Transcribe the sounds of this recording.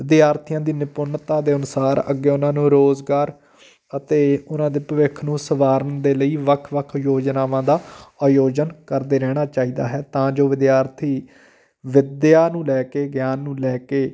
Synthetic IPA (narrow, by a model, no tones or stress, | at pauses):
ʋɪd̪ɪjaːɾt̪ʰijãːd̪iːnɪpʊnːt̪ãːd̪eːənʊsaːɾə̰ɡːeːʊnãːnũːɾoːzɡaːɾ | ət̪eːʊnãːd̪eːpəʋɪkʰnũːsəʋaːɾənd̪eːləiːʋəkʰʋəkʰjoːd͡ʒnaːʋãːd̪aːaːjoːd͡ʒənkəɾd̪eːɾɛːɽ̃aːt͡ʃaːiːd̪a̰ːɦɛːt̪ãːd͡ʒoːʋɪd̪jaːɾt̪ʰiː | ʋɪd̪jaːnũːlɛːkeːɡjaːnːũːlɛːkeː